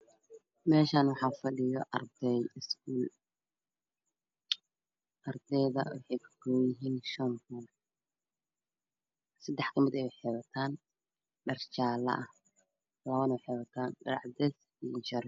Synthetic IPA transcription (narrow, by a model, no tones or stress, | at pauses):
mɛːʃaːnwɑħɑːfɐɖɪjɔʔɐrd̪ɛjɪskʰuːl | ʔɐrd̪ɛjðɐ̰wɑħɑjkʰɐ̥kɔːjɪɦiːnʃɐnkʊn | sɐd̪ɛħkʰɐmɪd̪ɛwħɛːβɐt̪ʰaːn | ɖɐrt͡ʃaːlɐ̰ʔɐh | lɐβɐnɐwħɛːβɐt̪ʰaːnɖɐɾɑʕd̪ɛs | int͡ʃɐɾ